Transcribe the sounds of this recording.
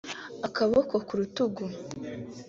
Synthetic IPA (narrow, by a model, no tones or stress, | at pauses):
akaβokokuɾutuɡu